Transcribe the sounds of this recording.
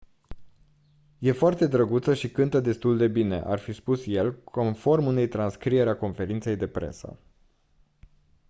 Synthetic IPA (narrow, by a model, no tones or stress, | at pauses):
je̞foart̪e̞d̪ɾəɡut̪səʃikɨnt̪əd̪e̞st̪uld̪e̞bine̞̰ʔa̰rfispusje̞lko̞nfo̞rmune̞jt̪ɾanskɾije̞ɾeako̞nfe̞ɾint̪se̞jd̪e̞pɾe̞̰sə̰